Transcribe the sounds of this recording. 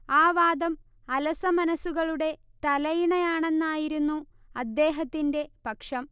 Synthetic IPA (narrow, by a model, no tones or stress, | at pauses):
aːʋaːd̪ɐm | ɐlɐsɐmɐnɐsːuɣɐɭuɽe̞t̪ɐlɐjiɳɐjaːɳe̞nːaːjiɾunːu | ɐd̪ːe̞ːɦɐt̪ːinde̞pɐkʂɐm